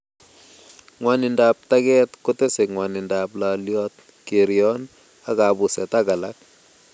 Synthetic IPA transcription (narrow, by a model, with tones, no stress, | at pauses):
ŋwa˨nɪ˨nda˨p̚ta˦kɛ˦tko˦te˦se˨kŋwa˨nɪ˨nda˨pla˨ljɔ˦t̚ | ke˨ɾjɔ˦n | a˦ka˨bʊ˨sɛ˨ta˦ka˨la˦k̚